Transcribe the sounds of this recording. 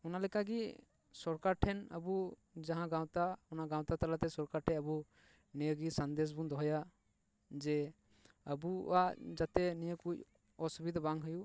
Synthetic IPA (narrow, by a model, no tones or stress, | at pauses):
ɔnalɛkaɡi | sɔɾkaɾʈʰɛnə̰bu | d͡ʒãɦãɡaw̃t̪aɔnaɡaw̃t̪at̪alat̪ɛsɔɾkaɾʈʰɛəbu | nijəɡisand̪es̬bund̪ɔɦɔja | d͡ʒɛ | əbuad͡ʒat̪ɛnijəkuc | ɔsubid̪abaŋɦɔju